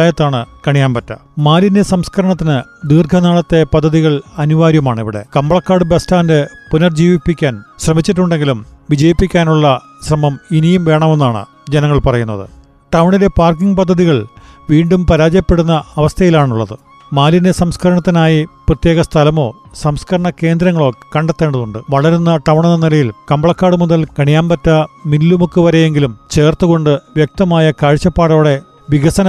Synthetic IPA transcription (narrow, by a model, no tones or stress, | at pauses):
aːjɐt̪ːaːɳɨkɐɳijaːnpɐtːɐ̰maːlindesɐmskʰɐɾɐɳɐt̪ːinɨd̪iːrɡʱɐnaːɭɐt̪ːe̞pɐd̪ʱːɐðiɣɐɭɐnuʋaːɾjɐmaːɳiʋiɽe̞̰kɐmbɐɭɐkːaːrɽɨbestaːndɨpunɐrd͡ʑiːʋipːikʲːaːnɕrɐmit͡ɕːiʈ̬ːuɳɖeŋɡilumʋid͡ʑɐjipːikʲːaːnuɭːɐ | ɕrɐmɐminijumʋe̞ːɳɐme̞nːaːɳɨ̰ | d͡ʑenɐŋːɐɭpɐrɐjun̪ːɐðɨ̰ | ʈɐwɳile̞paːrkiŋɡpɐd̪ʱːɐðiɣɐɭʋiːɳɖumpɐɾaːd͡ʑjɐpːe̞ɽunːɐːʋɐst̪ʰɐjilaːɳuɭːɐðɨ | maːlinesɐmskʰɐɾɐɳɐt̪ːinaːjiprɐt̪je̞ːɣɐst̪ʰɐlɐmo̞ːsɐmskʰɐɾɐɳɐke̞ːnd̪ɾɐŋːɐɭo̞ːkːɐɳɖet̪ːe̞ːɳɖɐðuɳɖɨʋɐɭɐɾunːɐʈɐʋɳinːɐnilɐjilkɐmbɐɭɐkːaːɽɨmuðɐlkɐɳijaːnpɐtːɐminlumukːɨʋɐɾejeŋɡilumt͡ɕe̞ːrt̪ːuɣo̞ɳɖɨʋjek̚t̪ɐmaːjɐkaːɻt͡ɕːɐpːaːɽoːɽe̞ | ʋiɣɐsɐnɐ